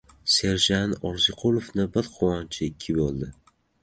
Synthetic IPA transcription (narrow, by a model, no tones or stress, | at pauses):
se̞ɾʒanɒɾzɪqʰʊlˠofnɪbɪɾqʰowɒnt͡ʃʰɪɪkʲʰːɪbolˠd̪ɪ